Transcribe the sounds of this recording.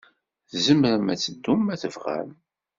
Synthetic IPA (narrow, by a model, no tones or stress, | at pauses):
zəmɾəmæt͡sːəd̪ːumːæθəvʁæ̰m